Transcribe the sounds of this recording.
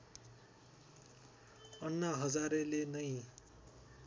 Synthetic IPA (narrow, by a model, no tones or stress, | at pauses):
ʌnːaɦʌd͡zaɾelenʌj̃